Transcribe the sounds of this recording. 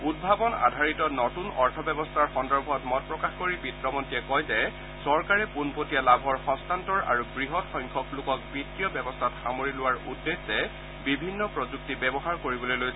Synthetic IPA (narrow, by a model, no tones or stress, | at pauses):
ud̚bʱabɔna̰dʱaɹitɔnɔtunɔɹtʰɔbɛbɔstʰaɹxɔndɔɹbʱɔtmɔt̚pɹɔkaxkoɹibitɹɔmɔntiɛkɔjzɛ | sɔɹkaɹɛpunpotijalabʱɔɹxɔstantɔɹa̰ɹubɹiɦɔtxɔjŋkʰɔklʊkɔk̚bɹitːijɔbɛbɔstʰatxamoɹilʊwaɹudːesɛ | bibʱinːɔpɹɔzuk̚tibɛbɔɦaɹkoɹibɔlojloj